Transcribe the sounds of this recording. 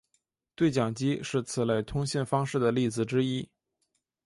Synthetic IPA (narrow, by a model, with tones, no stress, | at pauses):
t̪we˥˩ɪt͡ɕjɑ˨˩ŋt͡ɕi˥ʂɻ̩˥˩t͡sʰɹ̩˨˩la˥˩ɪt̪ʰʊ˥ŋɕjɛ˥˩nfɑ˥ŋʂɻ̩˥˩d̪ə˩li˥˩d͡zɹ̩˨˩ʈ͡ʂɻ̩˥i˥